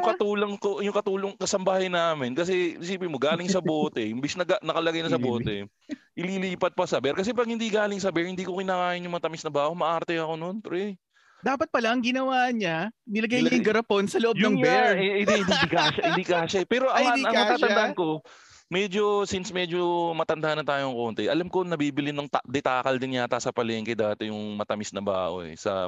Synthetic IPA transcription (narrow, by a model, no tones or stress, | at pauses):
jʊŋkɐt̪uːloŋkojʊŋkɐt̪uːloŋkɐsɐmbaːhɐjnaːmɪnkɐs̬ɛɪsiːpɪmo̞ɡaːlɪŋsɐboːt̪ɛhɪmbɛsnɐɡanɐkɐlɐɡajnɐsɐboːt̪ɛ̰ | ʔɪliliːpɐt̪̚pɐsɐbɛɾkɐs̬ɛpɐɡ̚hɪnd̪iɡaːlɪŋsɐbɛɹhɪnd̪iːkokɪnaːkaːʔɪnjʊŋmɐt̪ɐmɪsnɐbaːʔomɐʔaɾt̪ɛɐko̞no̞npɾɛ | d̪aːpɐt̪̚pɐlaɐŋɡɪnɐwaːɲanɪlɐɡajɲɐŋɡɐɾɐponsɐloʔojnɐŋbɛɹɪd̪iɪnd̪ibɪkaːʃɐɪnd̪iːkaʃɐɛpɛːɾoʔɐɐiɐŋɐaːd̪aʔɐnko̞ | mɛːd͡ʒo̞sinsmɛd͡ʒo̞mɐt̪ɐnd̪aʔɐnːɐt̪aːjoɐŋko̞nt̪ɛʔɐlamko̞nɐbiːbɪlɪnɐŋt̪d̪ɛt̪aːkɐld̪ɪnɲat̪asɐpɐlɛːŋkɛd̪aːt̪ɛjʊŋmɐt̪ɐmɪsnɐba̰ːʔo̞̰ɛ̰sɐ̰